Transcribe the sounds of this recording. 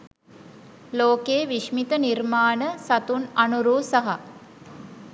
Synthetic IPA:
loːkeːʋiʃmit̪ənirmaːnəsat̪unanuɾuːsaɦa

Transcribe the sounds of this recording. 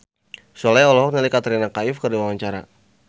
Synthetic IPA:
sɔlajɔlɔɦɔk̚nəlikat̪əɾinakaɪfkɨrdiwawaɲt͡ʃaɾa̰

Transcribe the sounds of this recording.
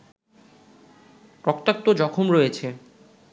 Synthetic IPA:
pɾokt̪ak̚t̪od͡ʑɔkʰomɾoet͡ɕʰe

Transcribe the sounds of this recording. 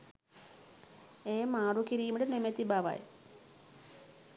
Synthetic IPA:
eːmaːɽukiɾijmiʈenemet̪ːibaːʋa̰j̰

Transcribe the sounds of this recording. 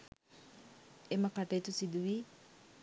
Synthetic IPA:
emɐkaʈeit̪usid̪uʋi

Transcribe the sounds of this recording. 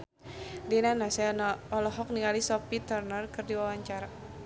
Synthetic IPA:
dinanasɛɔlɔɦɔk̚niŋalisɔpit̪ərnərkɨrdiwawaɲt͡ʃaɾa

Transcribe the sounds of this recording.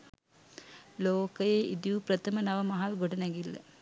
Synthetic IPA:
loːkɐjeʔid̪iʋuprɐt̪ʰɐmɐnɐʋɐmɐɦalɡoʈɐnɛŋɡilːɐ̰

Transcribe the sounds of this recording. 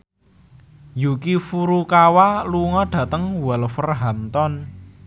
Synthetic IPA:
jukifuɾukawaluŋɔɖ̥ä̤t̪əŋwalfərɦamt̪ɔn

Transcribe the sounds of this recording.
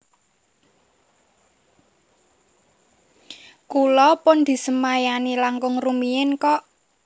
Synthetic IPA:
kulɔpʊnd̪̥i̤səmajanilaŋkʊŋrumiɪnkɔʔ

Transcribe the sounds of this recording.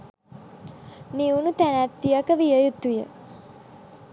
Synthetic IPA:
niunut̪ænæt̪ːijakəʋijəjut̪ujə̰

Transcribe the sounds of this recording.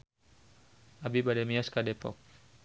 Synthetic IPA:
ʔabibadɛmiaskadɛpɔ̰k̚

